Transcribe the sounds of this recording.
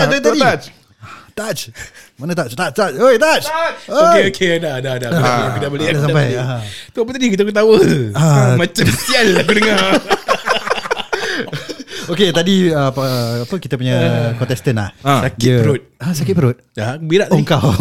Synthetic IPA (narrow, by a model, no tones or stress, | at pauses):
at̪aiat͡ʃ | t̪at͡ʃmanət̪̬at͡ʃt̪at͡ʃt̪at͡ʃoket̪at͡ʃəoeokʰedadadaakdabəliadsampajat̪uapət̪adikit̪akut̪awəamãt͡ʃamasianlakudəŋa | oket̪adiəpːapəkit̪əpuɲəkɔ̃nt̪ɛst̪ənla̰hasakpəɾʊt̪̚asakɪt̪̚pəɾʊt̪̚jabiɾaʔt̪aŋkaw